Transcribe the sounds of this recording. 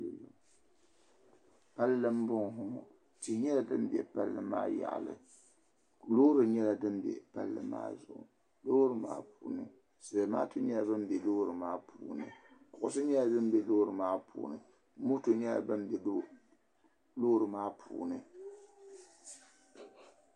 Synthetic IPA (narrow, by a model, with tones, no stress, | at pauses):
pa˦llɨ˦m̩˦bʊ˦ŋ˨ɦʊ˦ʊ˨ | tɨ˨ɲɛ˦la˨dɨ˦m̩˦bɛ̰˨pa˦lːɨ̰˦ma̰ː˦ja̰˨ʔlɨ̰˨ | lo˦ɾɨ˨ɲɛ˦la˨dɨ˦m˦bɛ̰˨pa̰˦lːɨ̰˦ma̰ː˦zʊ̰˨ʔʊ̰˨ | lo˦ɾɨ˦ma̰ː˦puː˨˦nɨ˨ | sɨ˨lɨ˨maː˦tʰo˨ɲɛ˦la˨bɨ˦m˦bɛ˨loː˦ɾɨ˨maː˦pʰuː˨nɨ˨kʊ˨ʔʊ˨sɨ˦ɲɛ˦la˨dɨ˦m̩˦bɛ˨loː˦ɾɨ˨maː˦pṵː˨nɨ˨ | m̩˦mu˦to˨ɲɛ˦la̰˨bɨ˦m˦bɛ˨˦ | loː˦ɾɨ˨maː˦pʰṵː˨nɨ˨